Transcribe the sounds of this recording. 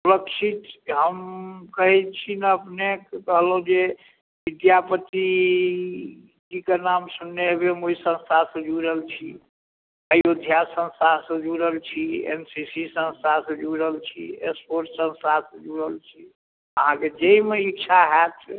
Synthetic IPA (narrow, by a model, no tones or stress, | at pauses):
suləkʃʰit̪ɦəmkəɦɛt͡ʃʰinəəpnekkəɦloũd͡ʒe | bid̪japət̪i | d͡ʒikenamsunːebemoisə̃nst̪aɾsə̃d͡ʒuɾəlt͡ʃʰḭ | əjod̪ʱjasə̃nst̪aɾsə̃d͡ʒuɾəlt͡ʃʰiḛnsisisə̃nst̪aɾsə̃d͡ʒuɾəɦəlt͡ʃʰḭespoɾʈsə̃nst̪aɾsə̃d͡ʒuɾəlt͡ʃʰi | əɦãked͡ʒeimeikt͡ʃʰaɦɛt̪